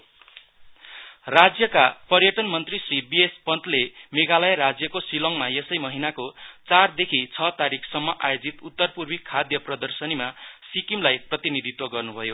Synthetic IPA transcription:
rad͡zjʌkapʌrjʌʈʌnmʌnt̪risribiespʌnt̪lemeɡalʌjɾad͡zjʌkosilʌŋmajesʌjmʌɦinakot͡sard̪ekʰit͡sʰʌt̪aɾikʰsʌmːʌʔa̰jod͡zit̪ut̪ːʌrpurbikʰad̪jʌprʌd̪ʌrsʌnimasikimlajprʌt̪inid̪ʱit̪wʌɡʌrnubʱʌjo

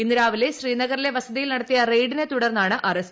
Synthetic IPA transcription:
inːiɾaːʋile̞ɕriːnɐɣɐɾile̞ʋɐsɐðijilnɐɽɐt̪ːijɐrejɖine̞t̪uɽɐrnːaːɳɨʔɐrɐs

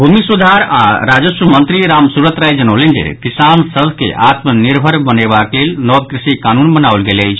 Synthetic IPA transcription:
bʱumisud̪ʱaɾaɾad͡ʒəsəmənt̪ɾiɾamsuɾət̪ɾajd͡ʒənəwlend͡ʒḛkisansəb̪ʱkḛʔat̪məniɾbʱəɾbənebaklelnɔb̪̚kɾisikanunbənawlɡeləjt͡ʃʰ

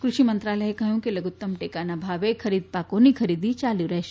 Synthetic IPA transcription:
kɾʊʃimɐ̃nt̪ɾaːləekɐɦjũkilɐɡʊt̪ːəmʈeːkaːnabʱaːʋekʰɐɾiːd̪̚paːkonikʰɐɾiːd̪it͡ʃaːluɾɛɦʃ

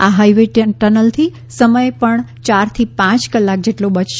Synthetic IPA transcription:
aɦajʋeʈʈənəlt̪ʰi | səməjepəɳt͡ʃaɾt̪ʰipãt͡ʃkəlːak̚d͡ʒeʈlobət͡ʃʃ

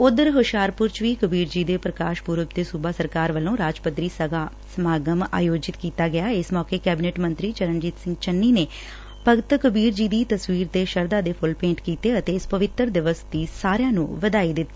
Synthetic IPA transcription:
ʊd̪əɾɦʊʃaːɾpʊɾt͡ʃʋiːkəbiːɾd͡ʒiːd̪eːpɾəkaːʃpuːɾəp̚d̪eːsubaːsəɾkaːɾʋəlõːɾaːd͡ʒpət̪ɾiːsəa | səmaːɡəma̰ːjoːd͡ʒɪt̪kiːt̪aːɡɪjaːɪsmɔːkeːkɛːbɪneːʈmənt̪ɾiːt͡ʃəɾənd͡ʒɪt̪sɪ̃ŋɡt͡ʃənːiːneː | pəɡt̪kəbiːɾd͡ʒiːd̪iːt̪əsʋiːɾt̪eːʃəɾd̪aːd̪eːpʰʊlpẽːɳʈkiːt̪eːət̪eːɪspəʋɪt̪ɾd̪ɪʋəsd̪iːsaːɾjãːnṵ̃ːʋəd̪aːiːd̪ɪt̪ː

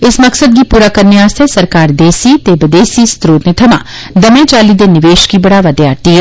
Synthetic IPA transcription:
ɪsmɐksəd̪̚kipuːɾakɐɾniaːst̪ʰɛsɐɾkaːɾd̪eːsit̪eːbəd̪eːsist̪ɾoːd̪nət̪ʰɐmã̰ː | d̪ɐmẽt͡ʃaːlid̪enɪʋeːʃkibɐɽaʋɐd̪jaːɾt̪iɦɛ

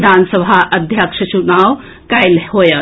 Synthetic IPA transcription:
d̪ʱansəbʱaʔəd̪ʱjəkʂʰət͡ʃunaw | kajlɦojə

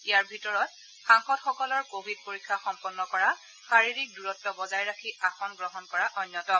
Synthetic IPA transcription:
ijaɹbʱitɔɹɔt̚ | xaŋxɔtxɔkɔlɔɹkobʱid̚poɹikʰːaxɔmpɔnːɔkɔɹa | xaɹiɹik̚duɹɔtːɔbɔzajɹakʰiʔaxɔnɡɹɔɦɔnkɔɹaʔɔnːɔtɔ

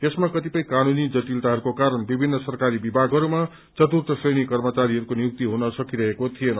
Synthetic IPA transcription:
esmakʌt̪ipʌj̃kanunid͡zʌt̪ilt̪aɦʌɾukokaɾʌnbibʱinːʌsʌrkaɾibibʱaɡʱɦʌɾuma | t͡sʌt̪urt̪ʌsejnikʌrmʌt͡saɾiɦʌɾukonijuk̚t̪iɦunʌsʌkiɾʌɦekot̪ʰijenʌ

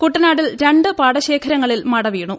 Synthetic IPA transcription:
kuʈːɐnaːɽilɾe̞ɳɖɨpaːɽɐɕe̞ːkʰɐɾɐŋːɐɭilmɐɽɐʋiːɳu

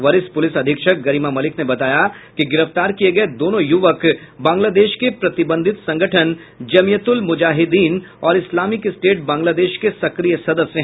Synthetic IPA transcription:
ʋɐɾɪspʊlɪsɐd̪ʱɪkʃək̚ɡɐɾiːmamɐlɪknebɐt̪aːja | kiɡɪɾəft̪aːɾkieɡɐed̪oːnõjʊʋək | bãːŋɡlaːd̪eːʃkepɾɐt̪ɪbə̃nd̪ʱɪt̪sɐ̃ŋɡəʈʰən | d͡ʒɐmijət̪ʊlmʊd͡ʒaːɦɪd̪iːnɔːɾɪslaːmɪkɪsʈeːʈ̚bãːŋɡlaːd̪eːʃkesɐkɾiːjəsɐd̪əfsːe

